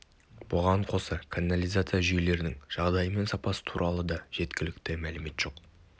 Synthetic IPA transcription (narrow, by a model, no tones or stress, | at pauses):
b̥ʊʁɑɴqʰo̞səkʰanːalijzat̪sɨjaʒʏjele̞ɾɪnɪŋʒ̥ɑʁd̪ɑjəme̞nsɑpɑsə̥t̪ʰuɾʔɑlˠəd̪ɑʒ̥e̞t̪kʲɪlɪkt̪ɪmælɪme̞t̪ʒ̥o̞q